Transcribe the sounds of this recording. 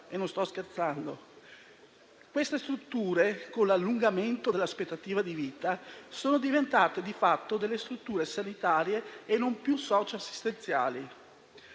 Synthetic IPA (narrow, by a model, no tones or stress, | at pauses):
enõnst̪ɔsk̟ert̪sand̪o | kwest̪est̪ɾut̪ːuːɾekonlalːuŋɡament̪od̪elːaspet̪ːat̪iːvad̪iviːt̪asoːnod̪ivent̪aːt̪ed̪ifat̪ːod̪elːest̪ɾut̪ːuːɾesanit̪aːɾjeːnːompjusɔːt͡ʃeasːi̥st̪ent̪sja̰ːli